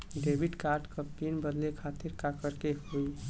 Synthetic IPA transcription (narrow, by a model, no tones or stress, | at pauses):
ɖebʱiʈkaɾʈkəpinbəd̪lekʰat̪iɾkakəɾkeɦoj